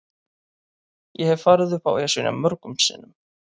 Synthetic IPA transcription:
jɛhɛvfaːɾɪðʏfa̰wɛasʏna̰mœɾkʏmsḭːnʏm

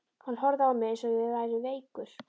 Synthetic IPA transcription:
kanlɦɔɾðaawmɛsɔɪvajɾɪvejkʏɾ̥

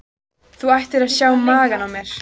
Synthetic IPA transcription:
θuajht̪ɪɾaðsjaːwmaːɣanawmjɛɾ̥

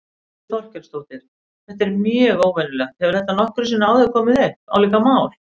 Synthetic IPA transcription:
ɔl̥cɛnst̪oːwt̪ɪɾ̥ | θɛht̪ɛɾmjœːɣoːwvɛnʏlɛxt̪hɛvɪɾ̥θɛht̪ːanɔhkʏɾsɛnaaːwðɪkʰɔːmɪðɛht̪a̰wliːkamaːwl

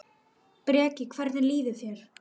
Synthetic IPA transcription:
pɾɛːcɪkʰvɛɾðɪnliːðɪθjɛɾ̥

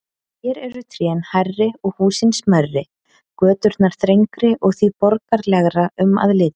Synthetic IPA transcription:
çɛːɾɛɾʏt̪ʰɾɛːnharːɪɔɣhuːsɪnsmœrːɪ | kœːt̪ʏɾt̪naɾ̥θɾejŋkɾɪʔɔɣθvipɔɾkaɾlɛɣɾaʏma̰ðlɪːt̪ḁ

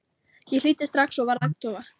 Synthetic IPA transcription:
jɛl̥iːt̪ɪ̥st̪ɾaxsɔvaɾðakt̪ɔva

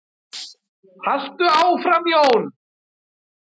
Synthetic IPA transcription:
hast̪ʏaːwfɾamjoːwn

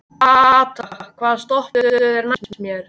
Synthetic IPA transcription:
at̪akʰvaːðast̪ɔhpʏɛɾmassmjɛɾ̥

